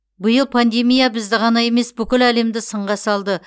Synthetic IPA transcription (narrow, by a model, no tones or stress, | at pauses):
bʊjəlˠpʰand̪e̞mijabɪzd̪ɪʁɑnɑje̞me̞sbʏkʲɪlæle̞md̪ɪsəɴʁɑsɑlˠd̪ə